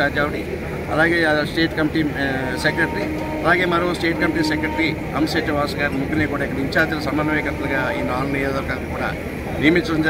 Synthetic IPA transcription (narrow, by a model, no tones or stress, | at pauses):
aːd͡ʒ̪aːʋɐʈi | ɐ̰laːɡeːsʈeːʈkɐmiʈiː | sekɾeʈɾiː | ɐlaːɡe̞ːmɐɾɐmusʈeːʈkɐmiʈiːsekɾɐʈɾiː | ɐ̰mseːʈːiʋaːsɐɡaːɾmuɡineːkuːɽaːikːɐɽɐiɲt͡ʃaːt̪ilɐsɐmɐnɐʋɐːjkɐt̪ːɐlɐɡaːiːnaːlunieːɐɾkɐd̪ɐnkuːɽa̰ː | nimit͡ʃɐɐɲd͡ʒ